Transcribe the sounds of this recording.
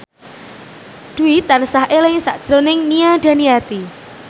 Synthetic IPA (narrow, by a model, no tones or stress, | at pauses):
d̪̥uit̪ansaɦelɪŋsa̰ʔd̥ʒ̥ɾonɪŋniad̥a̤niat̪i